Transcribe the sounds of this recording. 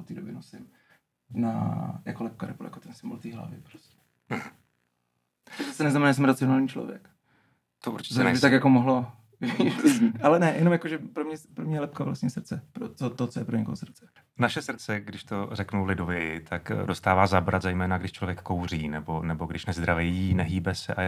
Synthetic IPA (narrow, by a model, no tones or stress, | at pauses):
ot̪iːdobjɛnosɪm | na̰ja̰kolɛp̚kaɾɛ̰poljakot̪ɛnsɪmo̰lt̪iːɦla̰vɪ̰pɾo̥scɛ̥ | zasɛnɛznamɛnaːs̬ɛmɾat͡sɪo̞naːlɲiːt͡ʃlo̰vjɛ̰k | t̪oʔuɾt͡ʃɪ̥ɛɛɛbɪt̪akjakomoɦlo | iziʔalɛnɛjɛnomjakoʒɛpɾomɲɛpɾomɲɛjɛlɛp̚kavla̰sɲɛsr̩t͡sɛpɾot͡sot̪ot͡sojɛpɾoɲɛkoɦosr̩t͡sɛ̥ | naʃɛsr̩t͡sɛɡdɪʃt̪orɛknuwlɪdovjɛɪt̪ʰakdost̪aːvaːzabɾat̪zajmɛːnaɡdɪʃt͡ʃlovjɛkkːowr̝iːnɛbo̞nɛbo̞ɡdɪʃnɛzd̪ɾaviinɛɦiːbɛsɛʔaj